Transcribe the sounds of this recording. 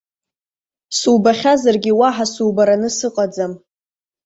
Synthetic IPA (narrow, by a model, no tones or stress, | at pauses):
sulbaχʲazarɡʲiwaħasuːbaɾanɨsɨqʼad͡zam